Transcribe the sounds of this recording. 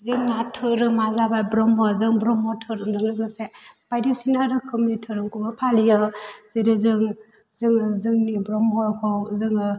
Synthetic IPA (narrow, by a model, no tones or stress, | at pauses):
zɯŋnatʰɯɾɯmazabajbɾɔmɔzɯŋbɾɔmɔtʰɯɾɯŋzɯŋɾɯɡɯsepajdisinaɾɯkʰɯmitʰɯɾɯŋkubɯpʰalijɯz̥eɾizɯŋ | zɯŋɯzɯŋnibɾɔmɦɔkʰɔzɯŋ